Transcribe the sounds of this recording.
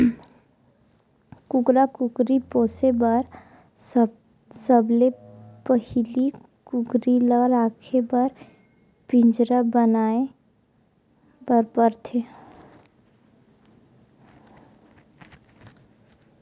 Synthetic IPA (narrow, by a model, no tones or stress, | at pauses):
kʊɡɾakʊkɾipoːsebəɾ | səblepəhili | kʊɡɾiləɾaːkʰebəɾ | pɪ̃ɲd͡ʒɾəbənaːe | bəɾpəɾt̪ʰe